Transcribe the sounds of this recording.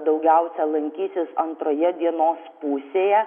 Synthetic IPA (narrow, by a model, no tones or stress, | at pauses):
d̪ɐʊɡʲɛʊsʲɛlˠɐŋʲkʲiːsʲɪsɐnt̪ɾoːjɛd̪ʲiɛnoːspuːsʲeːjɛ